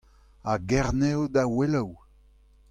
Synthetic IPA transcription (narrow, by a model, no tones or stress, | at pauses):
aɡɛʁnewd̪awelaw